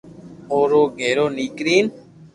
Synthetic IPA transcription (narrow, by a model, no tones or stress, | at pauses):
oɾoɡeɾonikɾin